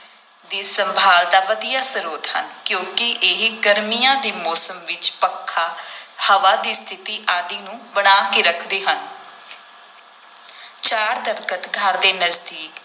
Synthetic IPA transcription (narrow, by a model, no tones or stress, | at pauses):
d̪iːsəmbʱaːld̪aːʋəd̪ijaːsəɾoːt̪hə̰nkjõːkɪʔeɦiɡəɾmijãːd̪iːmɔːsəmʋɪt͡ʃpəkʰːaːhəʋaːd̪iːst̪ʰɪt̪iːʔaːd̪iːnũːbəɽ̃aːkeːɾəkʰd̪eːɦən | t͡ʃaːɾd̪əɾkət̪ɡʱəɾd̪eːnəzd̪iːk